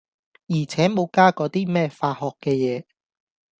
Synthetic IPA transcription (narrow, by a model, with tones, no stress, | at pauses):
jiː˨˩t͡sʰɛː˨˥mo˨˧wkaː˥kɔː˨˧t̪iː˥mɛː˥faː˧hɔː˨kːɛː˧jɛː˨˧